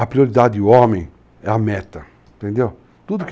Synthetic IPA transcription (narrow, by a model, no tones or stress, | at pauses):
ɐpɾioɾid̪ad̪ɪuɔ̃mẽj̃ | ɛɐmɛt̪ɐ̃ | t̪ẽnd̪ew | t̪ud̪ʊk